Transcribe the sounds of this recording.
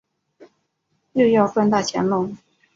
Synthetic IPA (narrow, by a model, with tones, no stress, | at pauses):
jo˥˧ʊjɑ˥˧ʊfə˥˧nt̪a˥˩t͡ɕʰjɛ̰˧˥nlʊ˥˩ŋ